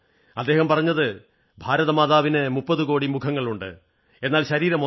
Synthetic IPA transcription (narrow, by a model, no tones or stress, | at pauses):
ɐd̪ːe̞ːɦɐmpɐrɐɲːɐðɨ | bʱaːɾɐðɐmaːðaːʋinɨmupːɐðuko̞ːɽimukʰɐŋːɐɭuɳɖɨ̰ | e̞nːaːlɕɐɾiːɾɐm